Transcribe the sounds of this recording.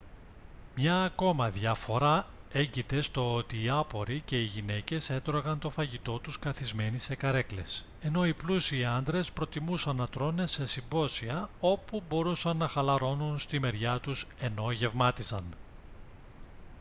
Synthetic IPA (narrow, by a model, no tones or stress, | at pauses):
mɲɐːko̞mɐðʝɐfo̞ɾɐe̞ɲɟit̪e̞st̪o̞ot̪iːɐpo̞ɾice̞iʝine̞ce̞se̞t̪ɾo̞ɣɐnt̪o̞fɐʝit̪o̞t̪uskɐθizme̞nise̞kɐɾe̞kle̞̰s | e̞no̞iplusiɐnd̪ɾe̞spɾo̞t̪imusɐnːɐt̪ɾo̞ne̞se̞simbo̞siɐo̞pubo̞ɾusɐnːɐxɐlɐɾo̞nunst̪ime̞ɾʝɐt̪use̞no̞ʝe̞vmɐt̪izɐ̰n